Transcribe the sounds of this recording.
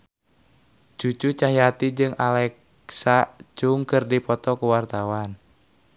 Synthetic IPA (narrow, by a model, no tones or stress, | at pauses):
d͡ʒ̥ut͡ʃut͡ʃaɦjat̪id͡ʒɨŋalɛk | sad͡ʒuŋkərdipɔt̪ɔkuwart̪awan